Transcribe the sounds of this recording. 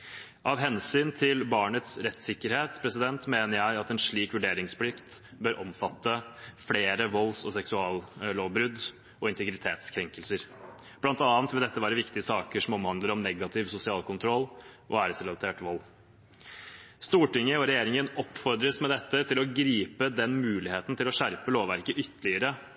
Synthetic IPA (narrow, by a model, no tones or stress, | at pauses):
ʔɑʋɦɛnsyːnt̪ʰɪlbɑːɳət̪sɾɛt̪ːsɪkːəɾheːt̪pʰɾɛsɪd̪ɛnt̪meːnəɾjæɪɑt̪ɛnʂɭiːkʋʉɖeːɾɪŋspʰlɪkt̪bøːɾʔɔmfɑt̪ːəfleːɾəʋɔlːsɔsɛksʉɑːlloːʋbɾʉd̪ | ɔɪnt̪əɡɾɪt̪ʰeːt̪skʰɾɛŋkəlsəɾ | b̥lɑnt̪ɑːnt̪ʋɪld̪ɛt̪ːəʋæːɾəʋɪkt̪ɪəsɑːkəʂɔmɔmhɑnd̪ləɾɔmnɛɡɑt̪ʰɪʋsʊsɪɑːlkʰʊnt̪ʰɾɔlːʔɔæːɾsɛlɑlt̪ʰeːʈʋɔlː | st̪uːʈɪŋːəɔɾɛjeːɾɪŋənɔpːfɔɾd̪ɾəsmɛd̪ɛt̪ːət̪ʰɪlɔɡɾiːpəd̪ɛnmʉːlɪheːt̪n̩t̪ʰɪlɔʂæɾpəloːʋæɾkəʔʏt̪ːəɭɪəɾə